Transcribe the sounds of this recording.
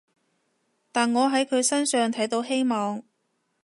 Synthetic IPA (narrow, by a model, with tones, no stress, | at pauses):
t̪aː˨nŋɔː˨˧ɦɐ˨˥jkʰɵ˨˧ɥsɐ˥nsœː˨ŋt̪ʰɐ˨˥jt̪o˨˧whe˥jmɔː˨ŋ